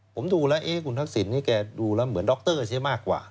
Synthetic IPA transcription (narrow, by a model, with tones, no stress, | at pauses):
pʰo˨˩˦mduː˧lɛ˦˥wʔeː˥˩kʰu˧nt̪ʰa˦˥k̚si˩˦nːiː˥˩kɛː˧duː˧lɛ˦˥mɯ˩˦əndɔː˦˥k̚t̪ɤː˥˩t͡ɕʰi˦˥˩maː˥˩kːwa̰ː˨˩